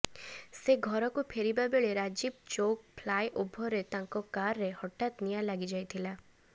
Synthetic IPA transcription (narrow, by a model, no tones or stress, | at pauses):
seɡʱɔɾɔkupʰeɾibabeɭeɾad͡ʒib̚t͡ʃok̚pʰlajʔobʱɔɾet̪aŋkɔkaɾːehɔʈat̪nijalaɡid͡ʒajt̪ʰila